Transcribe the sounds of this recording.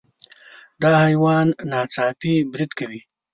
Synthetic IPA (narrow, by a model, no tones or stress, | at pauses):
d̪ɑhajwɑnːɑːt͡sɑpibɾid̪kawi